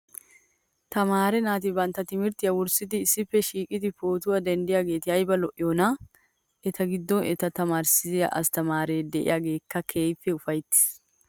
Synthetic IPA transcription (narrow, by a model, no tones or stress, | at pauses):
t̪ɐmaːɾɛnaːt̪̬ɪbɐnt̪ːɐt̪ɪmɪɾt̪ɪjɐwʊɾsɪd̪ɪːsːɪpːɛʃiːkʼɪd̪ɪpoːt̪ʊwɐd̪ɛnd̪ɪjaːɡe̞ːt̪ɪɐjbɐlɔʔɪjonɐ | ʔɛt̪ɐɡɪd̪ːɔnɛt̪ɐt̪ɐmaːɾsɪzɪjɐ̰ʔɐ̰st̪ɐmaːɾeːd̪ɛʔɪ̰jaːɡe̞ːkːɐkʰe̞ːjpːɛʊfɐjt̪ːɪ̥s